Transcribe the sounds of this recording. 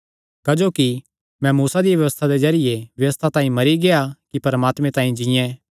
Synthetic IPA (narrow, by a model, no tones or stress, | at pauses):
kad͡ʒoːki | mɛ̃muːsad̪ijʋjɐʋəst̪ʰad̪ezɐɾɪjeʋjɐʋəst̪ʰat̪ãːĩmɐɾiɡeakipɐɾəmaːt̪mẽt̪ãːĩd͡ʒɪ̃jɛ̃